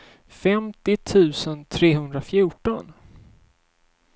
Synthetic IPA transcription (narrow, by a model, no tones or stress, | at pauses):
fɛmt̪ɪt̪ʰʉ̟ːsənt̪ʰɾeːhɵnd̪ɾafjuːʈɔn